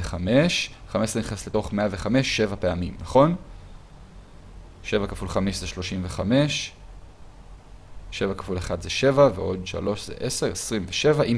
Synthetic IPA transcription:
eχame̞ʃχamesʁeniχnesle̞to̞χme̞ave̞χame̞ʃːe̞vape̞amimnaχo̞n | ʃe̞vakafulχameʃzeʃlo̞ʃimveχame̞ʃ | ʃe̞vakḁfuleχadzeʃe̞vaveʔo̞dʃa̰lo̞ʃzḛʔese̞ʁesʁimveʃevaʔim

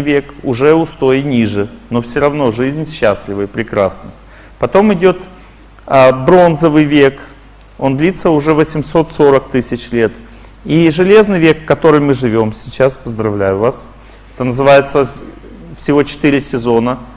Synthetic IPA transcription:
vʲe̞kʊʐɛʊst̪o̞jɪnʲiʐɨno̞fsʲɪɾɐvno̞ʐɨzʲnʲɕːæsʲlʲɪvəpɾʲɪkɾasnə̰ | pɐt̪o̞mɪdʲo̞t̪ | əbɾo̞nzəvɨjvʲe̞k | o̞nd̪lʲit̪səʊʐɛvəsʲɪmso̞t̪so̞ɾək̚t̪ɨsʲɪt͡ɕlʲe̞t̪ | iʐɨlʲe̞znɨjvʲe̞kːɐt̪o̞ɾɨjmɨʐɨvʲo̞msʲɪt͡ɕaspəzd̪ɾɐvlʲæjʊvas | ɛt̪ənəzɨvajɪt̪sə | fsʲɪvo̞t͡ɕɪ̥t̪ɨɾʲɪsʲɪzo̞nə

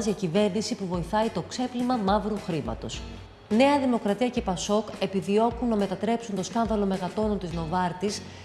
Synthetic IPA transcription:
ziɐcive̞ɾnisipuvo̞iθɐit̪o̞kse̞plimɐmɐvɾuxɾimɐ̰t̪o̞s | ne̞ɐðimo̞kɾɐt̪iɐce̞pɐso̞ke̞piðio̞kunːɐme̞t̪ɐt̪ɾe̞psunt̪o̞skɐnðɐlo̞me̞ɣɐt̪o̞nont̪izno̞vɐɾt̪is

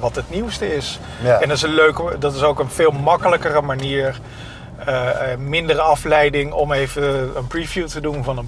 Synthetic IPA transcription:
ʋɑtɦətniwstəɪs | ɛndɑtɪsənløɥkədɑtɪsowkənv̥ɪːlˠmɑkələkərəmaniːɹ | əmɪndərəɑflɛjdɪŋɔmejvəənprivjutədunvɑnən

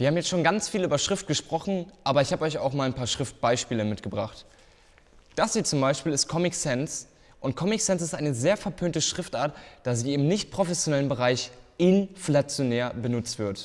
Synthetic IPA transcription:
viːɐhaːmjɛt͡stʃoːnɡant͡sfiːlʔyːbɐʃʁ̥ɪft̚ɡ̥əʃpʁ̥ɔχn̩ʔaːbɐɪçhaːbəɔʏçaʊxmaːlnpʰaːɐʃʁ̥ɪft̚b̥aɪʃpiːləmɪtɡ̥əbʁaχt | d̥asz̥iːt͡sʊmbaɪʃpiːlɪst̚kʰɔmɪksɛns | ʔʊnt̚kʰɔmɪksɛns̬ɪstʔaɪnəzeːɐfɛɐpʰøːntəʃʁ̥ɪftʔaːɐtd̥asz̥iːɪbm̩nɪçt̚pʁ̥ofɛsjonɛlənbəʁaɪçʔɪnflat͡sjonɛːɐbənʊt͡stv̥ɪɐt

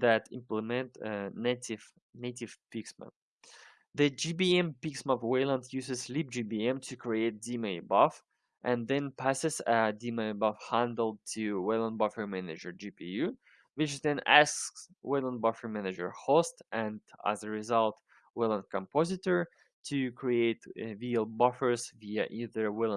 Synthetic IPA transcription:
ðætɪ̰̃mpləmɛ̃ntnetɪv | neɪtɪv̥piksmə̰̃ | ðɨd͡ʒibiɛ̃mpiksməvwelˠə̃ndjʉzɨzlip̚d͡ʒibiɛ̃mtʰɨkʰɹieɪt̚d̥imebʌf | ʔɨ̃nðɨ̃npʰæsɨzədimebʌfhæ̃ndl̩̚ˠtʰɨwɛlˠə̃nbʌfə˞mænɨd͡ʒə˞d͡ʒipʰijʉ | wɪt͡ʃðɨ̃næskswɛlˠə̃nbʌfə˞mænɨd͡ʒə̰˞hostɨ̃ndæ̰zəɹɪzʌlˠt | wɛlˠə̃nd̚kʰə̃mpʰɔzɨtə˞ | tʰɨkʰɹ̥ieɪtvilˠbʌfə˞zviɨʔiðə˞wɛlˠə̃n

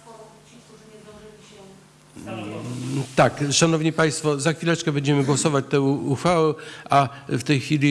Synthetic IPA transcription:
t̪akʂanɔvɲipaj̃st̪fɔzaxfʲilɛt͡ʂkɛbɛɲd͡ʑɛmɘɡwɔsɔvat͡ɕt̪ɛuxfawɛa | ft̪ɛjxfʲilʲi

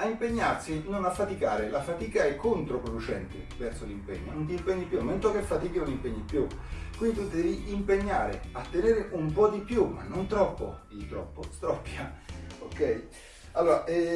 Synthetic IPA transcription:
aimpeɲːarsinonafːat̪ikaːɾelafat̪iːkaɛkʰːont̪ɾopɾod̪ut͡ʃɛnt̪ɪ̰vɛrsolimpɛ̰ɲːonont̪̬iːmpɛɲːipːjumːɛnt̪okefːat̪iːkenonimpɛɲːipːju | kwind̪it̪ud̪ɛːviʔimpeɲːaːɾḛat̪ːeneːɾeʔumpɔd̪ipjumːa̰nːont̪ɾɔpːo̰d̪it̪ɾɔ̰pːost̪ɾɔpːjaokɛj | alːoːɾaʔɛ

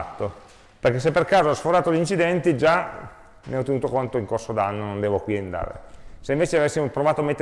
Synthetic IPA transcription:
at̪ːo | perk̟es̬ːepːerkaːzoɔsfoɾaːt̪olint͡ʃid̪ɛnt̪id͡ʒa | meɔt̪ːenuːt̪okont̪oiŋkorsod̪anːonond̪ɛːvokwiend̪a̰ːɾḛseiɱveːt͡ʃeavesːimopɾovaːt̪omet̪ː

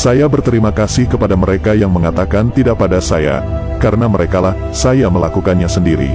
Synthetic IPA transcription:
sajabərt̪əɾimakasɪhkəpadaməɾekajaŋməŋat̪akant̪idaʔ̚padasaja̰ | kaɾənaməɾekalah | sajaməlakukanɲasəndiɾḭ

